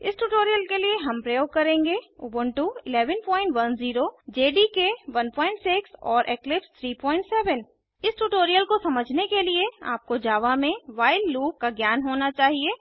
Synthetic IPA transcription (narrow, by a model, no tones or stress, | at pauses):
ɪ̰sʈuːʈoːɾijəlkelieɦɐ̃mpɾɐjoːɡ̚kɐɾẽːŋɡeuːbənʈuɪlɛːʋənpɔːɪ̃ɳʈʋɐnziːɾod͡ʒeːɖikeʋɐnpɔːɪ̃ɳʈsɪksɔːɾʔeːklɪpst̪ʰɾiːpɔːɪ̃ɳʈsɛːʋən | ɪsʈuʈoːɾijəlkosɐməd͡ʒʱnekeliea̰ːp̚kod͡ʒaːʋamẽʋaːɪlːuːp̚kaɡjaːnɦoːnat͡ʃaːɦieː